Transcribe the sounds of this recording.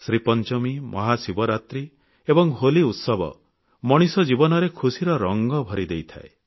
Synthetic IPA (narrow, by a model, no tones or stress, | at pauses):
sɾipɔnt͡ʃɔmimʔɔɦasibɔɾat̪ɾi | ebɔŋɦoliut̪sɔbɔ̰ | mɔɽ̃isɔd͡ʒibɔnɔɾekʰusiɾɔɾɔŋɡɔbʱɔɾid̪ejt̪ʰa̰e